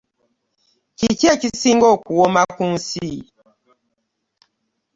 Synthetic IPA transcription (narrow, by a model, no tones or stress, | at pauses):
kikɛkisiŋɡɔkuwɔmakuŋsi